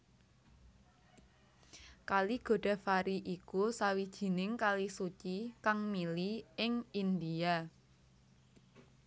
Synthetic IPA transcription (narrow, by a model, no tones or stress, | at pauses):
kaliɡ̥o̤ɖ̥a̤faɾiʔikusawid̥ʒ̥i̤nɪŋkalisut͡ʃikaŋmiliɪŋind̪ia